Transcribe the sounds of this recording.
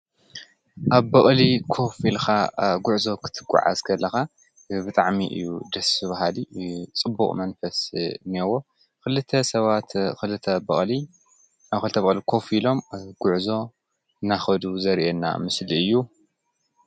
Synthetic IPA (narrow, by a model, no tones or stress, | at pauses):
ʔaβbɐχʼlikʰo̞filxaɡʊʕzo̞kʰɨ̥t̪ʰɨɡːṵʕa̰zkʰɐlːɐxa | bɨt̪ʼaʕmiʔɨ̰jːud̪ɐsɨβaɦalit͡sʼɨbuχʼmɐnfɐsniewo | kɨlɨt̪ʰːɐsɐβat̪xɨlɨt̪ʰːɐbɐχʼli | axɨlɨt̪ʰɐbɐɣʼlikʰo̞filo̞mɡ̥ʊʕzo̞ | naxɐd̪uzɐɾʔenːa̰mɨsliɨjːu